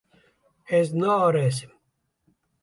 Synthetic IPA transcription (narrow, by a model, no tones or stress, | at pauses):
eznaoɾeːs̬i̥m